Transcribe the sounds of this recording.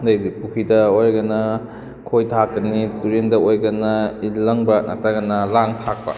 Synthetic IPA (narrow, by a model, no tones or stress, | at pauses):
ndɐjdipukʰidɐojɾɡɐnɐ | kʰojtʰak̚dɐnituɾendɐojɡɐnɐilːɐŋbɐnʔɐ̰taɡɐnɐlaŋtʰak̚pɐ̰